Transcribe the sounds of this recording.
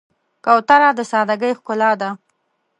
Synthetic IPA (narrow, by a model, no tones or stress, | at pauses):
kawt̪aɾɑd̪əsɑd̪aɡəjxkʊlɑd̪a